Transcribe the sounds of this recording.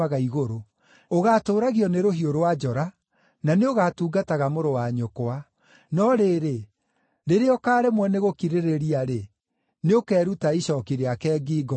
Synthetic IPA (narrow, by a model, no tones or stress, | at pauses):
aɣaiɣoɾo | oɣatoːɾaɣiɔneɾoɦioɾowad͡ʒɔɾa | naneoɣaːtuːɡataɣamoɾowaɲokoa | nɔɾeɾe | ɾeɾeɔkaːɾemwɛneɣokiɾeɾeɾiaɾe | neokɛːɾutaiɕɔːkiɾeakɛːɡiːɡɔ